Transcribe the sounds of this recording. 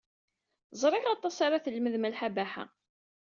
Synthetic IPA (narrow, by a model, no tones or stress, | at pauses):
zˤɾˤɪʁɑt̪ˤːɑsaɾaθəlməðmælħabaħa̰